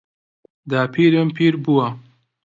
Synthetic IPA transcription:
d̪aːpʰiːɾɨmpʰiːɾbuwɐ

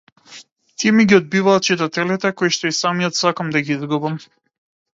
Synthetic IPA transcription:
t̪iɛmiɡʲiɔd̪̚bivaːt̪̚t͡ʃit̪at̪ɛlit̪ɛkojʃt̪ɔisamijɔt̪sakamd̪aɡiizɡubam

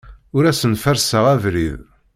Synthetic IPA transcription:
ʊɾæsənfəɾsəʁævɾḭð

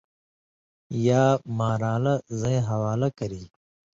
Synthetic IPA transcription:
jaːmaːɾaːlɐzɐẽɦɐwaːlɐkɐɾiː

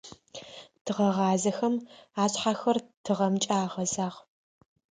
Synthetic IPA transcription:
tʰɨʁɐʁɑːzɐxɐmaːɕħaːxɐrtʰɨʁɐmt͡ʃʼaːʁɐzaːʁ

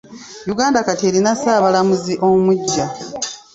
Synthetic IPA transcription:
juɡaːndakatelinasaːβalamuziʔo̞muɟːa

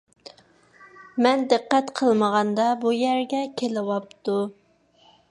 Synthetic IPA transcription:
mɛnd̪ɨqːɛt̪qʰəlˠməʁɑnd̪ɑbujæɾɡʲɛkʲʰelɪwɑp̚t̪u

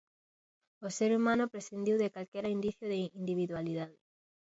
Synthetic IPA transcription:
oseɾumãnʊpɾesθind̪iwðekalkɛɾaind̪iθjoðeind̪iβ̞iðwaliðaðɪ

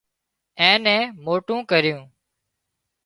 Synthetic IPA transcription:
ɛ̃ːnɛ̃ːmoːʈũːkəɾɪjũː

